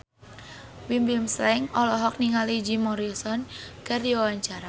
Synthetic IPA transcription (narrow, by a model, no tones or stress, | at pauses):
wimbimslɛŋɔlɔɦɔk̚niŋalid͡ʒimɔɾisɔnkərdiwawaɲt͡ʃaɾa